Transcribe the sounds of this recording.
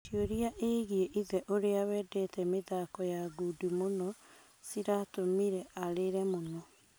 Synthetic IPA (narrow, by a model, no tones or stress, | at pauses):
tioɾiaʔeɣieʔiðɛʔoɾeawɛdɛtɛmeðakɔjaɡudimonɔ | siɾatomiɾɛaɾeɾɛmonɔ